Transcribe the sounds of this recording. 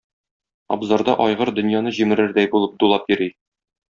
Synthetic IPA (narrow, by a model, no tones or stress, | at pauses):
ɒ̰bzɑɾd̪ɑʔɒjʁɤɾd̪ɵ̆njɑnɤʑimɘ̆ɾɘɾd̪æjbulˠɤp̚d̪ulˠɑp̚jĭɾi